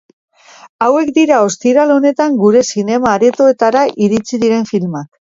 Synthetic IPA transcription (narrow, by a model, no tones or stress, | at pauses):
awe̞kd̪iɾao̞st̪iɾalo̞ne̞t̪aŋɡuɾe̞sine̞maːɾe̞t̪o̞e̞t̪aɾaʔiɾit͡siðiɾe̞ɱfilmak